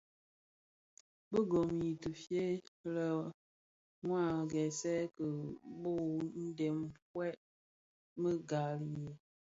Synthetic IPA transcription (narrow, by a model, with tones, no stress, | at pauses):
bə˦ɡo˨mji˨tə˨fje˦lə˦˨ | ŋwa˦˨ɡɛ˨sɛ˦kə˨bo˦˨n̩˦de˨mkwɛ˦ʔ | mə˦ɡa˨lje˨